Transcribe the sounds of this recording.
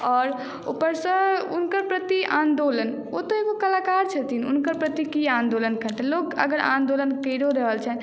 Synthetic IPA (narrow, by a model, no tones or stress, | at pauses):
ɔːɾ | ṵpəɾsə̃unkəɾpɾət̪iʔãnd̪olən | ot̪ɔeɡokəlaːkaɾt͡ʃʰət̪inṵnkəɾpɾət̪ikiãnd̪olənkət̪elokə̰ɡəɾʔã̰nd̪olənkəɾoɾəɦəlt͡ʃʰɛɦn